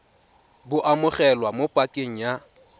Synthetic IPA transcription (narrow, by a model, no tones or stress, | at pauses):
bʊʔamʊχɛlwamopʼakʼeŋ̩ja